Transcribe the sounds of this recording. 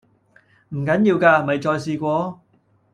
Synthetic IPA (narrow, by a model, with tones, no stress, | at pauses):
m̩˨˩kɐ˨˥njiː˧wkaː˧mɐ˨jt͡ʃɔː˧jsiː˧kʷɔː˧